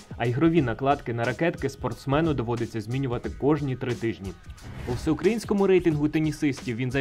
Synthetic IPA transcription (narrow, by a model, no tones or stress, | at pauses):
ɐjɦɾɔʋʲinɐklˠɑt̪kɪnɐɾɐkɛt̪kɪspɔrt̪smɛnʊd̪ɔʋɔd̪ɪt͡sʲːɐzʲmʲinʲʊʋɐt̪ɪkɔʒnʲit̪ɾɪt̪ɪʒnʲiɔwsɛʊkɾɐjinʲsʲkɔmʊɾɛjt̪ɪnɦʊt̪enʲisɪsʲtʲiwʋʲinzɐ